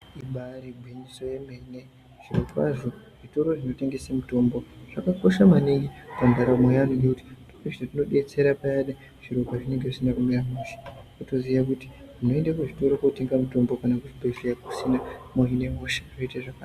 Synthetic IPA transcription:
iɓaɾibʱwiɲiso̞je̞mene | ʐ̥iɾokwa̰ʐo̞ | ʐ̥ito̞ɾo̞ʐino̞te̞ŋɡe̞samuto̞ːmbo̞ʐ̥akako̞ʃamaniŋɡiku̥tamdaɾaumojanuɡekuti̥topeʐinotino̞ɗe̞t͡se̞ɾapajaɗa | ʐ̥iɾokwaʐine̞ŋɡe̞ʐisinakumiɾamoʃḁ | kutozijak̬uti̥ | ʐino̞e̞ndakuʐito̞ɾo̞koute̞ŋɡamuto̞mbo̞kanakuʐibeʒiakku̥sinamoine̞moʃḁʐoiteʐaka

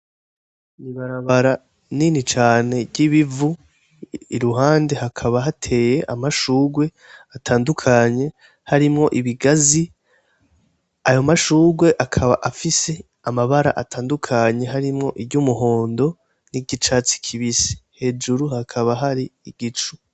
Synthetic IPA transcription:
niβaɾaβaɾa | ninit͡ʃaːne̞bɟiβivu | iɾuɦaːnde̞hakʰaβaɦatʰe̞ːje̞ʔamaʃuːɡwe̞ | atʰaːndukʰaɲe̞ | haɾimŋo̞ʔiβiɡazi | ajo̞maʃuːɡwe̞ʔakʰaβa̰ʔafise̞ | amaβaɾa̰ʔatʰaːndukʰaɲe̞ɦaɾimŋo̞ʔiɟuːmuɦo̞ːndo̞ | niɟit͡ʃaːt͡si̥kʰiβisi̥he̞ːd͡ʒuɾuhakʰaβaɦaɾiːɡ̥it͡ʃu

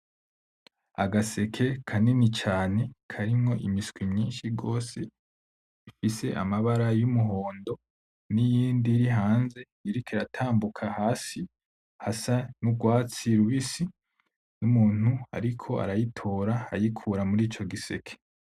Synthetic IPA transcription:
a̰ɡase̞kʰe̞kʰaninit͡ʃaːne̞kʰaɾimŋo̞ʔimisɡwimɲiːnʃiɡo̞ːse̞ | ifise̞ʔa̰maβaɾajumuɦo̞ːndo̞ | nijiːndiɾiɦaːnze̞ | iɾikʰiɾatʰaːmbukʰahaːsi | hasanuɡwaːt͡siɾuβisi | numuːn̥ua̰ɾikʰo̞a̰ɾajitʰoːɾaa̰jikʰuːɾamuɾiːt͡ʃo̞ɡise̞kʰe̥

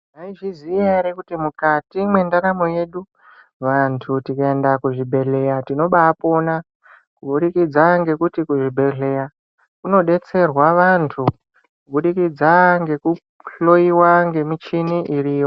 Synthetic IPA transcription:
naiʐiziaɾekutimukatimwe̞ndaɾamo̞je̞ɗu | ʋantʰutikae̞ndakuʐibʱe̞ɮe̞jatino̞ɓaːpo̞na | kuɓuɗikid͡zaŋɡe̞kutikuʐibʱe̞ɮe̞ja | kuno̞ɗe̞t͡se̞rwaʋantʰu | kuɓuɗikid͡zaŋɡe̞ku | ɬo̞iwaŋɡe̞mit͡ʃiniʔiriːjo̞

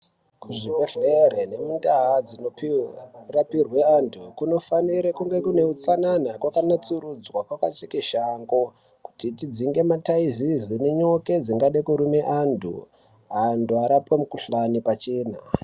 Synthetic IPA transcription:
kuʐibeɮeɾene̞mundaɦad͡zinopirapirwe̞andʰukuno̞faniɾekuŋɡe̞kune̞ut͡sananakwakanat͡surud͡zwakwakat͡ʂikiʃaŋɡo̞ | ku̥titid͡ziŋɡe̞mataizizineɲo̞ke̞d͡ziŋɡaɗekuɾume̞ʔandʱṵ | anduaɾapwemukuɬanipat͡ʃeːna

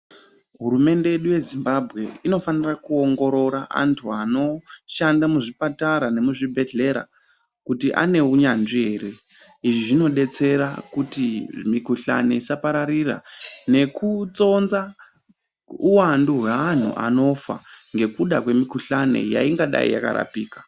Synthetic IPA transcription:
ɦuɾume̞nde̞jeɗuje̞zimbabʱɣe̞̰ino̞fanirakuoŋɡo̞ɾo̞ɾaʔa̰ntʰuano̞ʃandamuʐipataɾane̞muʐibʱe̞ɮe̞ɾa̰ | kutiʔa̰ne̞uɲanʐieɾe̞ | iʐiʐino̞ɗe̞t͡se̞ɾakutimikuɬa̰ne̞isapaɾaɾira̰ne̞kut͡so̞nza | uwanduɦwean̤ṵʔa̰no̞fa̰ŋɡe̞kuɗakwe̞mikuɬane̞̰ja̰iŋɡaɗa̰ḭjaka̰ɾa̰piːka

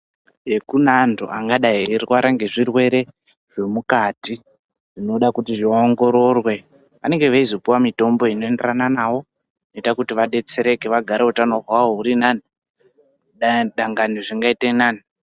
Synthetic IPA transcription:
ɦe̞kunando̰ʔaŋɡaɗaierwaɾaŋɡe̞ʐirwe̞ɾe̞ | ʐ̥e̞mukaːti | ʐino̞ɗakutiʐiaoŋɡo̞ɾo̞rwe̞ | ʋa̰ne̞ŋɡe̞ʋaizopuwamito̞mbo̞inoe̞nderananawo̞ | no̞itakutiʋaɗe̞t͡se̞ɾe̞ke̞ʋaɡʱaɾeutanorwaoɦuɾinani | ɗɗaŋɡaniʐiŋɡaitenaːni

